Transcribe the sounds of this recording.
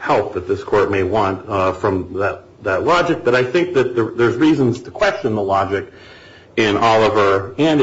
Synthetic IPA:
hɛlˠp̚ðɨt̪̚ðɪskʰɔɹt̚meɪwɑ̃ntfɹʌ̃mðɨt̪̚ðɨtˡlɑd͡ʒɨk̚b̥ʌɾaɪθɪ̃ŋk̚ðɨt̪̚ðəðə˞zɹizə̃nz̥tʰəkʰw̥ɛst͡ʃɨ̃nðəlɑd͡ʒɨk | ɪ̃nʔɑlˠəvə˞ɨ̃n

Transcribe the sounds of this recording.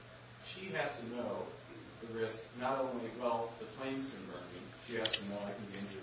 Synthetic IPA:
ʃiæz̥tʰɨnoʊ | ðɨɹɪsknəɾõʊ̃nliɨt̚wɛlˠðɨpʰl̥ẽɪ̃nstɨ̃nmɜ˞kɪ̃ŋʃiɨz̥tʰɨmakɨ̃ɪ̃nd͡ʒ

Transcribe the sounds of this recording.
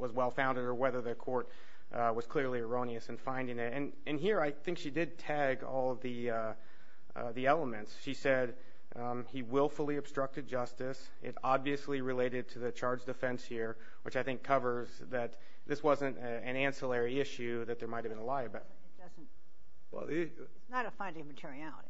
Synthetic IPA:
wʌzwɛlˠfãʊ̃ndɨɾə˞wɛðə˞ðɨkʰɔɹt̚ | wʌz̥kʰl̥ɪɹliə˞õʊ̃ñiɨsɨ̃n̩fãɪ̃ndɪ̃ŋɪtɨ̃n | ɨ̃nɦiɹaɪθɪ̃ŋkʃidɨd̚tʰæɡɔ̰lˠði | ðiɛlˠəmɨ̃ntsʃisɛd̚ | iwɪlˠfl̩ˠiɨb̥stɹ̥ʌk̚tɨd̚d͡ʒʌstɨs | ɪ̰ɾɑbviɨsliɹɨleɪɾɨd̚tʰɨðɨt͡ʃʰɑɹdd͡ʒdɨfɛ̃nshiɹ | wɨt͡ʃaɪθɪ̃ŋkʰʌvə˞z | ðɨt̪̚ | ðɪswʌzɨ̃nt | ɨ̃næ̃nsəlɛɹiɪʃʉðɨt̪̚ðə˞maɪthɨvbɨ̃nəlaɪɨb̥ | ʌzn | wɛ̰lˠð | nəɾɨfãɪ̃ndɪ̃ŋmɨtʰɪɹiælˠə̰ɾi

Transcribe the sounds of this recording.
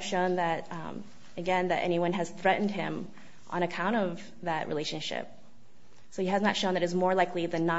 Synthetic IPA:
v̥ʃõʊ̃nðɨɾ | ɨɡɛ̃nðɨɾʔɛ̰ñiwʌ̃nɨz̥θɹɛʔn̩d̚ɪ̰̃m | ʔə̰̃ɾ̃ɨkʰãʊ̃ɾ̃ʌv | ðɨʔ̚ɹʔḭleɪʃɨ̃nʃɪ̰p̚ | soʊiɨznətʃõʊ̃nðɨɾɨzmɔɹlaɪkliðɨ̃nːə

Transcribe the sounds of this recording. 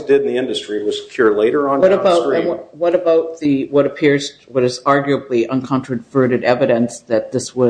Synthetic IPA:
sd̥ɨɾn̩ðiɪ̃ndɨstɹ̥iwʌz̥pʰjʊɹleɪɾə˞ə̃nwʌɾɨbaʊtɹĩnwʌɾɨbaʊt̪̚ðɨwʌɾɨpʰɪɹzwʌɾɨzɑɹɡjəbliʔʌ̃nkʰɑ̃ntɹ̥ɨvɜ˞ɾɨɾɛvɨɾɨ̃nsðɨt̪̚ðɪswʌ

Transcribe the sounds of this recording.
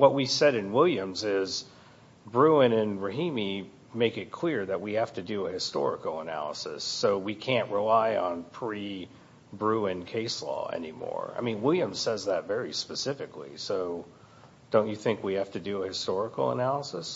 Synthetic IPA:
wʌt̚wisɛɾɨ̃nwɪlˠjɨ̃mzɪz | bɹʉɨ̃nɪ̃nɹɨɦĩmi | meɪkɨt̚kʰl̥ɪɹðɨʔ̚wihæftɨdɨəhɨstɔ̰ɹɨ̰kl̩ˠənæ̰lˠə̰sɨ̰sːoʊwikʰæ̃nʔɹilaɪə̃npʰɹ̥i | bɹʉɨ̃nkʰeɪslɔ̰ɛ̰nimɔ̰ɹa̰ɪmĩnwɪlˠjɨ̃m̥sɛzðɨtvɛɹispɨsɪfɨklḭsoʊ | d̥õʊ̃nt͡ʃɨθɪ̃ŋkwihæftɨdɨəhɨstɔɹəkl̩ˠə̰nælˠəsəs

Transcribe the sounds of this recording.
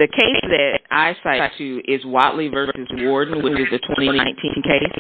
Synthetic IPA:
ðɨkʰeɪsðɨɾʔa̰ɪsaɪtʰʉʔɪzwɑʔlivɜ˞sɨzwɔɹdⁿn̩wɨ̃ɨzðɨtʰw̥ɛ̃ɾ̃ĩɾ̃iãɪ̃ntʰḭ̃nkʰeɪs

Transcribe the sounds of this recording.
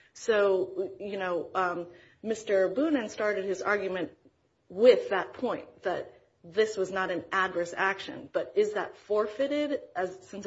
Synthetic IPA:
soʊjɨnoʊʌ̃ | mɪstə˞bʉnɨ̃nstɑɹɾɨd̚ɨzɑ̰ɹɡjɨmɨ̃nʔ | wɪðət̚pʰɔ̃ɪ̃nðɨ̰t̪̚ | ðɪswʌznəɾɨ̃nædvə˞sækʃɨ̰̃nb̥ʌɾɪzðə̰tfɔɹfɪɾɪɾɨz̥sɪ̃ns

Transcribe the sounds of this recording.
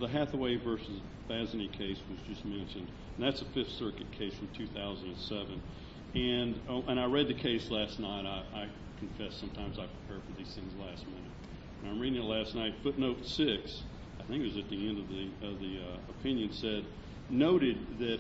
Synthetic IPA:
ðəɦæθəweɪvɜ˞sɨz | b̥æznikʰeɪswʌzd͡ʒʌsmɛ̃nʃɨ̃n | n̩ðætsəfɪfsɜ˞kɨt̚kʰeɪsfɹʌ̃mtʰʉθaʊzɨ̃ndɨ̃nsɛvɨ̃n | ɨ̃nʔə̃ɾ̃aɪɹɛd̪̚ðɨkʰeɪslæstⁿnaɪɾaɪʔaɪ | kʰɨ̃ɱfɛsʌ̃mtʰãɪ̃mzaɪpʰɹ̥ipʰɛɹd̥fə˞ðiz̥θɪ̃ŋzlæstmɪ̃nɨt̚ | ɨ̃nãɪ̃mɹiɾɪ̃ŋɨtˡlæstnaɪtfʊtⁿnoʊtsɪks | aɪθɪ̃ŋkɨwʌzɨt̪̚ðiɛ̃ndʌvðiʌvðiəpʰɪ̃njɨ̃nsɛdⁿ | noʊɾɪd̪̚ðɨt

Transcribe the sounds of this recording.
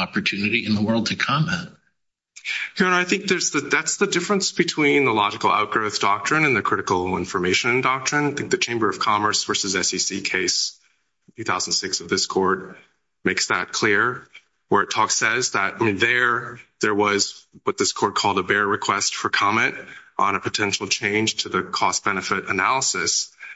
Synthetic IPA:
ɑpə˞tʰʉnɨɾiɨ̃nðəwɜ˞lˠd̚tʰɨkʰɑmɛ̃nt̚ | hiɹnaɪθɪ̃ŋk̚ðə˞zðɨðætsðɨdɪfɹə̃nsb̥ɨtʰw̥ĩnðəlɑd͡ʒɨkl̩ˠa̰ʊt̚ɡ̥ɹoʊðd̥ɑk̚tɹ̥ɨ̃nɨ̃nðɨkʰɹ̥ɪɾɨkl̩ˠɪ̰̃ɱfə˞meɪʃɨ̃ndɑk̚tɹ̥ɨ̃naɪθɪ̃ŋk̚ðɨt͡ʃʰẽɪ̃mbə˞ʌv̥kʰɑmə˞swə˞sɨzɛsisikʰeɪs | tʰʉθaʊzn̩d̥sɪksʌvðɪskʰɔɹd̚ | meɪksðɨ̰t̚kʰl̥ɪɹ | wə˞ɨtʰɔksɛzðɨt̚nðə˞ðə˞wʌzwʌt̪̚ðɪskʰɔɹd̚kʰɔlˠdəbɛɹɹɨkʰw̥ɛstfə˞kʰɑmɛ̃ntʔn̩ɨpʰɨtʰɛ̃nʃl̩ˠt͡ʃʰẽɪ̃nʒ̥tʰɨðɨkʰɔsb̥ɛnɨfɪɾɨnælˠəsɨs

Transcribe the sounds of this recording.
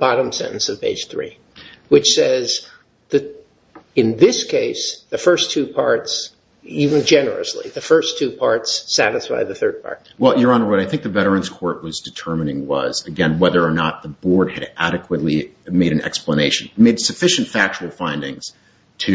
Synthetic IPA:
b̥ɑɾə̃msɛ̰̃ñʔn̩sʌv̥pʰḛɪd̥ʒ̥θɹḭ | wɨt͡ʃsɛz | ðɨ | ɨ̃nðɪskʰeɪsðɨfɜ˞stʰʉpʰɑɹts | ivɨ̃nd͡ʒɛnə̰˞ɨ̰slḭðɨfɜ˞stʰʉpʰɑɹtsːæɾɨsfa̰ɪðɨθɜ˞d̚pʰɑ̰ɹt̚wɛlˠjə˞ə̃nəwʌɾaɪθɪ̃ŋk̚ðɨvɛɾə˞ɨ̃nskʰɔɹʔ̚wʌzdɨtʰɜ˞mɨnɪ̃ŋwʌ̰zɨɡɛ̃nwɛðə˞ːnət̪̚ðəbɔɹd̚ɨɾʔæɾɨkʰwətˡlimeɪɾɨ̃nɛ̰kspləneɪʃɨ̃n̩meɪd̥sɨfɪʃɨ̃n̩tfæk̚t͡ʃəl̩ˠfãɪ̃ndɪ̃ŋz̥ | tʰɨ

